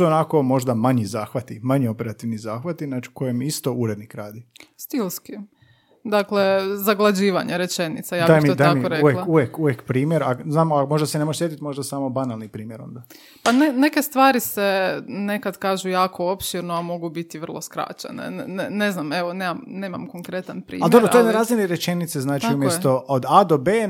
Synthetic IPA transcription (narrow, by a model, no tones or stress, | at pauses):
suonako̞mo̞ʒd̪amaɲizaːxʋat̪imaɲio̞peɾat̪iʋnizaːxʋat̪inat͡ʃi̥kojemist̪ouɾed̪nikɾaːd̪ist̪ilˠski | d̪akle̞zaɡlˠad͡ʑiːʋaɲeɾe̞t͡ʃe̞nḭt̪sajaːb̪aimit̪od̪aamioɾeuʋjelauʋjekuʋjekpɾiːmjeɾaznaːmakmoʒd̪asenemoeʃsjet̪it̪mo̞ʒd̪asaːmobanalˠnipɾiːmjeɾo̞̰nd̪a | panene̞kest̪ʋaːɾisene̞kad̪kaːʒujaːkʰoopʃiɾnoamo̞ɡubit̪iʋɾrlˠoskɾa̰ːt͡ɕḛnḛnne̞znameʋoneːmamneːmamkoŋkɾe̞t̪anpɾḭaldj̪obɾooed̪naɾaːzmʲiniɾet͡ʃenit̪seznaːt͡ʃ̪tiumjest̪ood̪ad̪obe